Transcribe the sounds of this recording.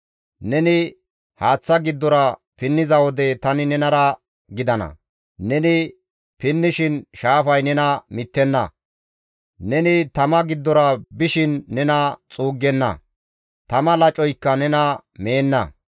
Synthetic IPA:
nɛnɪ | haːt͡sːɐɡɪd̪ːɔɾɐ | pɪnːɪzɐwɔd̪ɛt̪ɐnɪnɛnɐɾɐ | ɡɪd̪ɐnɐ̰ | nɛnɪ | pɪnːɪʃɪnʃaːfɐjnɛnɐmɪt̪ːɛnːɐ̰ | nɛnɪt̪ɐmɐɡɪd̪ːɔɾɐbɪʃɪnːɛnɐt͡sʼuːɡːɛnːɐ̰ | t̪ɐmɐlɐt͡ʃʼɔjkːɐnɛnɐme̞ːnːɐ̰

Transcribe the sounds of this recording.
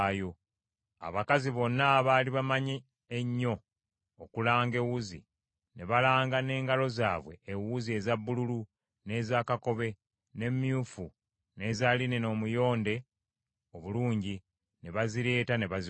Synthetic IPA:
jo̞ | a̰βakaziβo̞nːaːβaːliβamaɲeː | ɲːo̞ː | kulaːŋɡe̞wuzḭ | ne̞βalaːŋɡane̞ːŋɡalo̞za̰ːβwe̞̰ːwuzie̞zabːululu | ne̞ːzakako̞βe̞ | ne̞mːjuːfu | ne̞ːzalineno̞ːmujo̞ːnde̞ | oβuluːɲɟi | ne̞βaziɾe̞ːtane̞βazi

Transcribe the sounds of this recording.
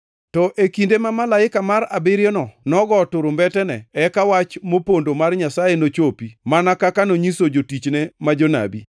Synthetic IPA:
tɔʔekindemamalaɪkamaɾabɪɾjɔnɔnɔɡɔtʊɾʊmbɛtɛnɛɛkawat͡ʃmopondomarɲasajenot͡ʃopimanakakanoɲisod͡ʒotit͡ʃnemad͡ʒona̰bḭ

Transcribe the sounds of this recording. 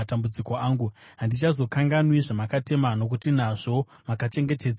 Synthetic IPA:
atambud͡ziko̞aːŋɡuɦandit͡ʃazo̞kaŋɡanwiʐamakate̞mano̞k̬utinaʐo̞ | makat͡ʃe̞ŋɡe̞teːd͡za

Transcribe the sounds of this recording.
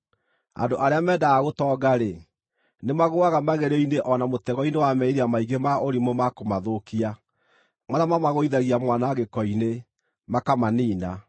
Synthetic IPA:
a̰ndoʔaɾeamɛːdaaɣotɔːɡaɾe | nemaɣoaɣamaɣeɾeineʔɔnamotɛɣɔinewamɛiɾeamaiɣemaoɾimomakomaðokia | maðamamaɣoiðaɣiamwanaːɣekɔine | makamaniːna

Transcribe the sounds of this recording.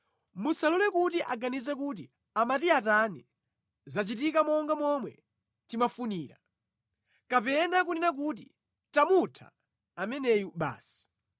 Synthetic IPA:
musalɔlɛkutiʔaɡanizɛk̬ut̬i | amatiatani | zat͡ʃitikamɔŋɡamɔmwɛ̰ | timafuniːɾa | kapɛnak̬uninak̬ut̬i | tamutʰa̰ː | mɛnɛjuɓa̰ːsi̥

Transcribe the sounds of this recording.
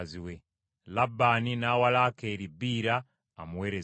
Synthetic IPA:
ziwe | labaninawalakeːɾibiːɾaː | muwe̞ːɾe

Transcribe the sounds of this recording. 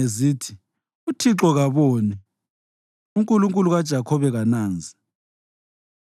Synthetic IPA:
eziːtʰi | utʰiǁɔɣaβɔːnɛ | uŋkʼuluŋkʼuluɣad̥ʒ̥ʱakʰɔβɛɣanaːnd͡zʱi

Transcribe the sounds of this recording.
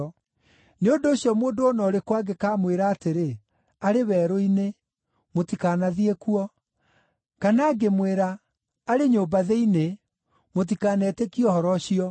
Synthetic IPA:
neondoːɕjɔmoːndoonɔɾekwaɡekaːmweɾaːteɾe | aɾeβɛːɾoine | motikaːnaðiekuɔ | kanaːɡemweɾaː | ɾeɲoːbaðɛine | mot̬ikaːnɛtekiɔhɔɾɔɕiɔ

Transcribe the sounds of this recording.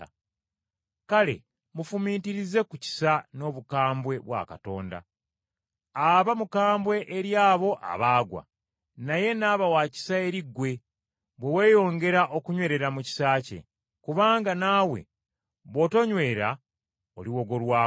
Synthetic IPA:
kale̞̰ | mufumiːtiɾize̞kuci̥sano̞βukaːmbwe̞βwa̰ka̰to̞̰ːnda̰ | aβamukaːmbwe̞ʔeɾjaːβo̞ʔa̰βaːɡwa̰ | naje̞naːβawaːci̥sae̞ɾiɡːwe̞ | βwewe̞ːjo̞ːŋɡe̞ɾaʔo̞kuɲwe̞ːɾe̞ɾamuci̥saːcḛ | kuβaːŋɡanaːwe̞̰ | βo̞to̞ɲwe̞ːɾa | oliwo̞ɡo̞lwaː

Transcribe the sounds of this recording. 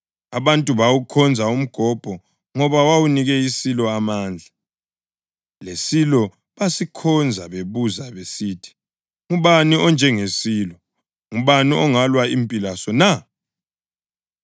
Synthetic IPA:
aβantʼuβawukʰɔnd͡zʱaum̩ɡ̥ʱɔb̥ʱɔ | ŋɔβawawuniɣɛisilɔamaːnd͡ɮʱa | lesilɔ | βasikʰɔnd͡zʱaβeβuzaβesiːtʰi̥ | ŋuβaniʔɔnd͡ʒʱɛŋesiːlɔ | ŋuβaniʔɔŋalwaimpʼilasɔna

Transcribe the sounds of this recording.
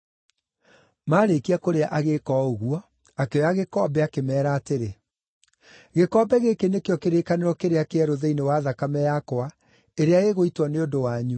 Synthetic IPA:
maːɾekiakoɾeaʔaɣekɔoɣuɔ | akeɔjaɣekɔːbɛakemɛːɾaːteɾe | ɣekɔːbɛɣekenekeɔkeɾekaneɾɔkeɾeakeɛɾoðɛinewaðakamɛjakowa | eɾeaeɣoitwaneondowaɲu

